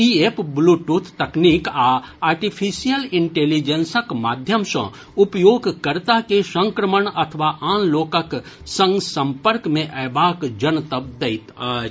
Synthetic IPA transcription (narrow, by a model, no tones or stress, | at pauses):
iepbluʈut̪ʰt̪ɐkniːkaaːɾʈipʰisijəlɪ̃ɳʈeːlid͡ʒensəkmaːd̪ʱjəmsə̰̃ | ʊpjoːɡʱkəɾt̪akesə̃ŋkɾəməɳɐt̪ʰʋaʔãːnloːkək | sə̃ŋɡsə̃mpəɾkmẽʔɛːbaːkd͡ʒənt̪əb̚d̪ɐɪt̪ə